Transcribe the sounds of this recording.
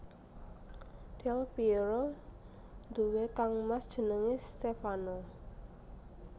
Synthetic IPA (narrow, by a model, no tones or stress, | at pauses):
d̪̥ɛlpiɾo | nd̪uwekaŋmasd̥ʒ̥ə̤nəŋest̪efano